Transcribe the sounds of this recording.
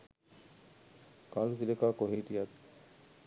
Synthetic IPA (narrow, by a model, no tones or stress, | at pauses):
kalusilekaːkoɦiːʈijɐd̪